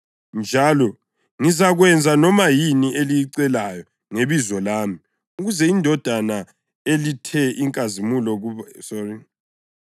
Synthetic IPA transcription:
nd͡ʒʱalɔ | ŋizaɣwɛnd͡zʱanɔmajiniʔelijiǀɛlajɔ | ŋeβizɔlaːmi | uɣuzɛindʱɔd̥ʱana | elitʰɛʔiŋkʼazimulɔɣusɔriŋ

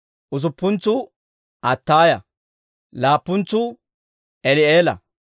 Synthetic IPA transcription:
ʔʊs̬ʊpːʊnt͡sːʊ | ɐt̪ːaːjɐ | laːpːʊnt͡sːʊ | ʔɛlɪeːlɐ̰

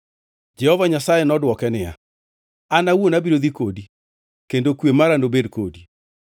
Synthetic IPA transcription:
d͡ʒɛhɔvaɲasajenɔdwɔkɛnɪja̰ | anawonabiɾoðikodi | kendokwemaɾandobedkodi

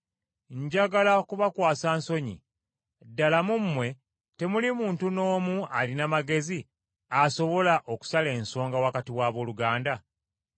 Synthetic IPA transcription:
ɲɟaɡalakuβakwaːsaːnso̞ɲḭ | dːalamumːwe̞ | te̞mulimuːntuno̞ːmualinamaɡe̞zi | aso̞βo̞laʔo̞ku̥sale̞ːnso̞ːŋɡawakatiwaːβo̞ːluɡaːnda

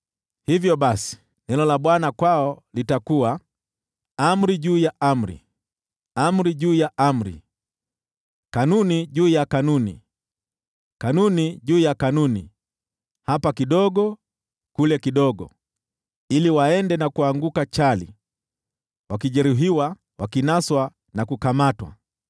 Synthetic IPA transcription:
hivjɔɓasi̥ | nɛlɔlaɓwanakwaɔlitakuwa | am̩ɾiʄuːjaʔam̩ɾḭ | am̩ɾiʄuːjaam̩ɾḭ | kanuniʄuːjakanunḭ | kanuniʄuːjakanunḭ | hapakiɗɔɠɔ | kulɛkiɗɔɡɔ̰ | iliwaɛndɛnakuaŋɡukat͡ʃalḭ | wakiʄɛɾuɦiwa | wakinaswa | nakukamatwa̰

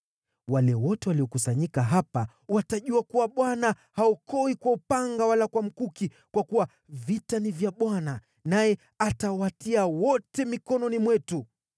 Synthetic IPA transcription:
walɛwɔtɛwaliɔkusaɲikaɦapa | wataʄuakuwaɓwana | haukɔikwaupaŋɡawalakwam̩kuki | kwakuwa | vitanivjaɓwana | najɛ | atawatiawɔtɛmikɔnɔnimwɛtu

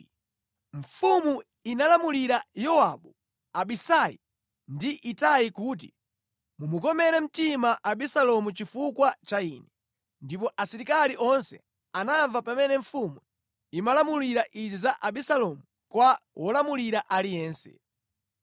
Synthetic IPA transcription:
ɱfumu | inalamuliɾajɔaɓu | aɓisajḭ | ndiʔitajikuːt̬i | mumukɔmɛɾɛm̩timaʔaɓisalɔmut͡ʃifukwat͡ʃaiːnɛ | ndip̬ɔʔasiɾikaliʔɔnsɛ̰ | anaɱvapamɛnɛɱfumu | imalamuliɾaʔizizaʔaɓisalɔmu | kwawʔɔlamuliɾaʔalijɛːnsɛ̰

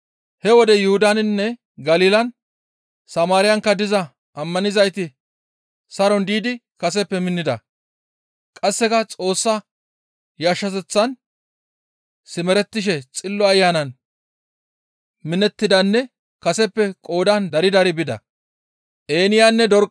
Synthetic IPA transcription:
hɛwɔd̪ɛjʊhʊd̪anɪnːɛ | ɡɐliːlɐn | sɐmaːɾɪjɐŋkːɐd̪ɪzɐ | ʔɐmːɐnɪzɐjt̪ɪ | sɐɾɔnd̪iːd̪ɪ | kɐsɛpːɛmɪnːɪd̪ɐ̰ | kʼɐsːɛkɐt͡sʼo̞ːsːɐ | jaːʃːɐt̪ɛt͡sːɐn | sɪmɛɾɛt̪ːɪʃ̬ɛt͡sʼɪlːɔɐjːaːnɐn | mɪnɛt̪ːɪd̪ɐnːɛ | kɐsɛpːɛkʼo̞ːd̪ɐnd̪ɐɾɪd̪ɐɾɪbɪd̪ɐ̰ | ʔeːnɪjanːɛd̪ɔɾ

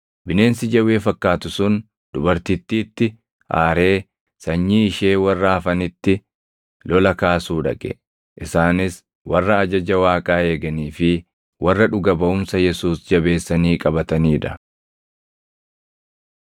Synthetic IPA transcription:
bɪne̞ːnsɪd͡ʒɐwe̞ːfɐkːaːt̪ʊsʊn | d̪̥ʊbɐɾt̪it̪ːiːt̪ːɪ | ʔa̰ːɾe̞ː | sɐɲːiːɪʃe̞ːwɐrːɐːfɐnɪt̪ːɪ | lɔlɐkaːsuːᶑɐ̰kʼɛ̥̰ | ʔɪsaːnɪs | wɐrːɐːd͡ʒɐd͡ʒɐwaːkʼaːe̞ːɡɐniːfɪ | wʔɐrːɐᶑʊɡɐbɐʊmsɐjɛsuːsd͡ʒɐbe̞ːsːɐniːkʼɐbɐt̪ɐniːᶑɐ

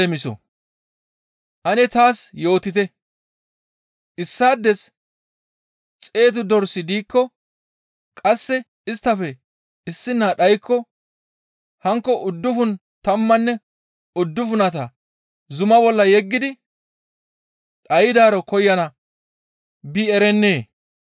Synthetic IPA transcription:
ɛmɪsɔ̰ | ʔɐnɛt̪aːsjo̞ːt̪ɪt̪ɛ | ʔɪsːaːd̪ːɛs | t͡sʼe̞ːt̪̬ʊd̪ɔɾsɪd̪iːkːɔ | kʼɐsːɛ | ɪst̪ːɐfɛ | ɪsːɪnːaːɗɐjkːɔ | hɐŋkːɔʔʊd̪ːʊfʊn | t̪ɐmːɐnːɛ | ʊd̪ːʊfʊnɐt̪ɐ | zʊmɐbɔlːɐjɛɡːɪd̪ɪ | ɗɐjɪd̪aːɾɔkɔjːɐnɐ | bɪɛɾɛnːeː

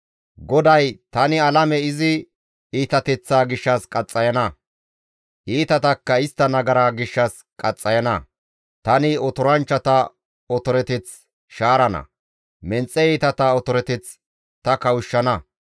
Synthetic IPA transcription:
ɡɔd̪ɐjt̪ɐnɪɐlɐmɛɪzɪ | iːt̪ɐt̪ɛt͡sːaːɡɪʃːɐskʼɐt͡sʼːɐjɐnɐ | ʔiːt̪ɐt̪ɐkːɐɪst̪ːɐnɐɡɐɾaːɡɪʃːɐs | kʼɐt͡sʼːɐjɐnɐ | t̪ɐnɪɔt̪ɔɾɐnt͡ʃːɐt̪ɐ | ɔt̪ɔɾɛt̪ɛt͡s | ʃaːɾɐnɐ̰ | mɛnt͡sʼːɛiːt̪ɐt̪ɐɔt̪ɔɾɛt̪ɛt͡s | t̪ɐkɐwʊʃːɐnɐ

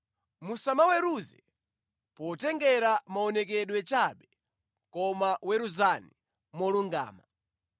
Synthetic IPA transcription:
musamawɛɾuzɛ | pɔtɛŋɡɛɾamaɔnɛk̬ɛɗwɛt͡ʃaɓɛ | kɔmawɛɾuzani | mɔluŋɡa̰ːma

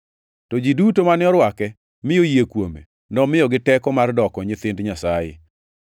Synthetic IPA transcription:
tɔd͡ʒidutomanɪɔɾwakɛ | mɪjojekwomḛ | nɔmɪjɔɡɪtɛkɔmardɔkɔɲɪt̪ɪndɲasajɪ̰

